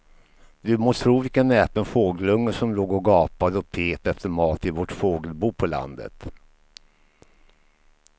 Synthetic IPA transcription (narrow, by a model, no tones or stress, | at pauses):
d̪ɵmoːt̪ʰɾuːvɪkanɛːpənfoːɡəlɵŋːəʂɔmloːɡɔɡɑːpad̪əɔpʰeːt̪ɛft̪əɾmɑːt̪ɪvɔʈfoːɡəlbuːpʰɔla̰nd̪ə̰t̪